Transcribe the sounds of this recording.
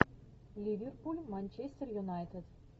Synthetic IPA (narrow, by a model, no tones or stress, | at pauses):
lʲivʲerpulʲmanʲt͡ɕesʲt̪ʲerjunɑjt̪ʲed̪